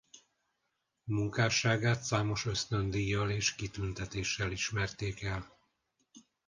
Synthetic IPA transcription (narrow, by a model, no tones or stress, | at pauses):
muŋkaːʃaːɡaːt̪saːmo̞ʃø̞st̪ø̞nd̪ijːɒleːʃkit̪ynt̪ɛt̪eːʃːɛliʃmɛrt̪eːkɛl